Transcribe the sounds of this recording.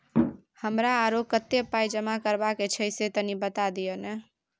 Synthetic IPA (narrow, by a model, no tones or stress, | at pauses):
həmɾaːɾokət̪ːepajd͡ʒəmakəɾbaket͡ʃʰəjset̪ənibət̪ad̪ijone